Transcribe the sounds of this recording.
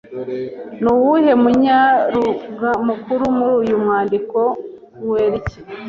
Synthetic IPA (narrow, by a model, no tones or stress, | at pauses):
nuwuhe̞muɲaɾuɡamukuɾumuɾujumŋaːndiko̞ | weːɾici̥